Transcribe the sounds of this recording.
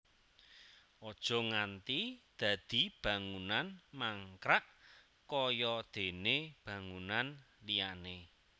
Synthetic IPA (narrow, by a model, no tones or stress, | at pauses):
ʔɔd̥ʒ̥ɔ̤ŋant̪id̪̥ä̤d̪̥i̤b̥ä̤ŋunanmaŋkɾaʔ | kɔjɔd̪̥e̤neb̥ä̤ŋunan | lijane